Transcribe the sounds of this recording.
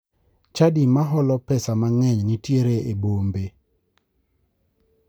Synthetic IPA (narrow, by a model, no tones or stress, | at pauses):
t͡ʃadimaɦɔlɔpɛsamaŋɛɲnitjeɾeebombe